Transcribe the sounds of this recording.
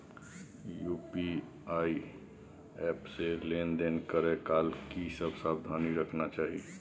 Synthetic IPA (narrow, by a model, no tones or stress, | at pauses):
jupi | ai | ɛpselend̪enkəɾekalkisəbsab̚d̪ʱaniɾəkʰnat͡ʃaːɦi